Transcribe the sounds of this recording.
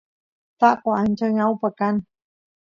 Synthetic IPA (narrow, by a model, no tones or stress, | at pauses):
t̪aʔkoant͡ʃəŋawpəkan